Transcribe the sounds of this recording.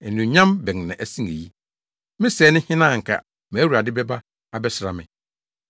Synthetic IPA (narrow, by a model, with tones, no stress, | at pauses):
ɛ˨nũ˨ɲã˦mbɛ˨ŋnã˨ʔæ˨sĩ˦ŋe˨ji˦ | mɪ̃˦sɛː˨˦nɪ̃˦hɪ̃˦nã˦˨ŋ̩˨kʰa̰˨ | mæ̃˨˦wu˨a˨dɪ˦bɛ˦ba˦ | a˨bɛ˦sɪ˨ɾa˨mɪ̰̃˨